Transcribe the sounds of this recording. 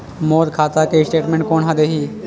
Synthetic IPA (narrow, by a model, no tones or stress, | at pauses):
moːɾkʰaːt̪akesʈeːʈmẽːɳʈ̚koːnɦad̪eɦiː